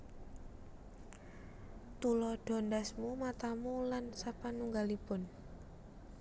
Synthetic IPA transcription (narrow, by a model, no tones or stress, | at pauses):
t̪ulɔɖ̥ɔ̤ndasmumat̪amulansapanuŋɡalipʊn